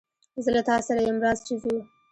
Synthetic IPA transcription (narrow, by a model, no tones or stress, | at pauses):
zəlat̪ɑsaɾajemɾɑst͡ʃiziu